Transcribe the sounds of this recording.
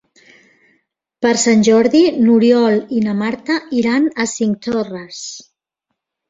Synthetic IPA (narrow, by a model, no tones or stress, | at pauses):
pəɾsanʲʒɔɾðinuɾjɔlinamaɾt̪aʔiɾanəsiŋkt̪ɔrəs